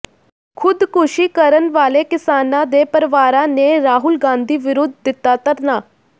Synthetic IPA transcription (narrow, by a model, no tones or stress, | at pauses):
kʰʊd̪kʰʊʃiːkəɾənʋaːleːkɪsaːnãːd̪eːpəɾɪʋaːɾãːneːɾaːɦʊlɡãːnd̪iːʋɪɾoːd̪̚ʱːɪt̪ːaːt̪əɾnaː